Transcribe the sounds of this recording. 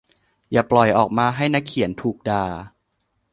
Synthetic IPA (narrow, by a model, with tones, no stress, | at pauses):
jaː˨˩plɔ˨˩jʔɔː˨˩k̚maː˧ɦa˥˩jna˦˥kʰːi˨˩˦nt̪ʰuː˨˩k̚daː˧